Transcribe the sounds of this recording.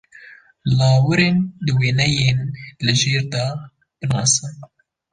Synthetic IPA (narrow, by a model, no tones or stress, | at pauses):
lɑːwɨɾeːnd̪ɨweːnɛjeːnlɨʒeːɾd̪ɑ | b̥ɨnɑ̰ːsɨn